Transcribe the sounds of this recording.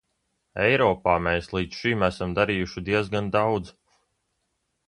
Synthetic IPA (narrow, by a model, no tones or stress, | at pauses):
ɛjɾɔːpaːmeːslˠiːd̪ʃimæsamd̪aɾiːjuʃid̪iɛzɡand̪awd̪z